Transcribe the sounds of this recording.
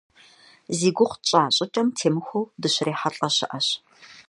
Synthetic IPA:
ziːɡʷʊχʷt͡ʃʼaːɕʼɪt͡ʃʼɐmtʰeːmɨxʷowdɨɕreːħaɬʼɐɕɨ̰ʔɐɕ

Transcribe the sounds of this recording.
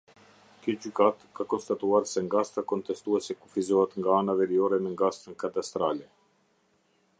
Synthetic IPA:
kəd͡ʒykat̪kakɔnst̪at̪uaɾsɛŋɡast̪akɔnt̪ɛst̪uɛsɛkufizɔɦɛt̪ŋɡaanavɛɾiɔɾɛmɛŋɡast̪ənkat̪ast̪ɾalɛ

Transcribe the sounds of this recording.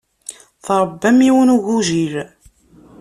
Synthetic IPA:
θɾˤəbːæmiwənuʝuʒiɾ

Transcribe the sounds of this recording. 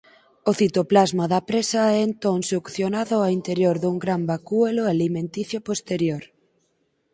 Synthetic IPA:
oθit̪oplazmaðapɾesaɛːnt̪oŋseokθjonaðoaint̪eɾjoɾðuŋɡɾambakueloalimẽnt̪iθjopost̪eɾjoɾ

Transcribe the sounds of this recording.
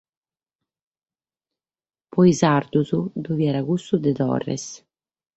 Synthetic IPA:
pɔjzaɾd̪uzud̪uvjɛːɾaɡust̪ud̪ɛd̪ɔ̰rːɛ̰s

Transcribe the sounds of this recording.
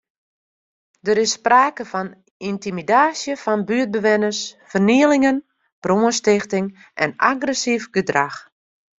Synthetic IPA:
dəɾɪsːpraːkəfɔn | intimidaːsjəfɔnbyət̚bəʋɪnəsfərniəlɪŋən | b̥roənstɪxtɪŋ | ʔɛ̰na̰ɡrɛsifɡədrax

